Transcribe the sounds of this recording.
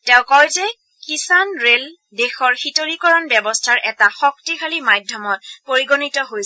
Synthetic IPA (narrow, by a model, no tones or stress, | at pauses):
tɛʊ̃kɔjtɛ | kisanɹel | dexɔɹxitoɹikɔɹɔnbɛbɔstʰaɹʔɛtaxɔk̚tikxʰalimajdʱjɔmɔt̚poɹiɡonitɔɦojsɛ